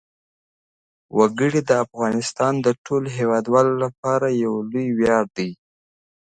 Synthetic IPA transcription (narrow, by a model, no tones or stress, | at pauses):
waɡəɽid̪əafɣɑnɪst̪ɑnd̪əʈʰoloɦewɑd̪wɑlolap̚ɑɾajawlujwjɑɽd̪əj